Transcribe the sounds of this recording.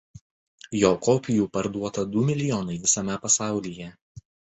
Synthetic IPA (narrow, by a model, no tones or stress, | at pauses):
joːkoːpʲɪjuːpɐɾd̪uɔt̪ɐd̪ʊmʲɪlʲɪjɔːnɐɪʋʲɪsɐmʲɛpɐsɑˑʊlʲiːjɛ